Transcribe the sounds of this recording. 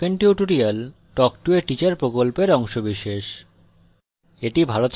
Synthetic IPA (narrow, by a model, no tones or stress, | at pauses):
enʈjuʈuɾial | ʈɔkʈueʈit͡ɕaɾpɾokolpeɾɔŋʃobiʃeʃ | eʈibʱalot̪